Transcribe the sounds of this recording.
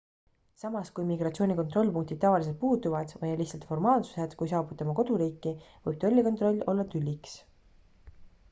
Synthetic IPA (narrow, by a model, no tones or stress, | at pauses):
sɑmɑskujmiɡrɑt̪sio̞ːnʲiko̞nt̪ro̞lʲpuŋk̚t̪id̪̚t̪ːɑvɑlis̬elt̪̚puːt̪uvɑd̪̥vɤjɑliçsɑlt̪fo̞rmɑːlsu̥se̞d̪̥kujs̬ɑːbut̪ːemɑko̞d̪̥uɾiːkːi | vɤjb̥̚t̪o̞lʲːikot̪ro̞lʲːo̞lːɑt̪ylʲːiks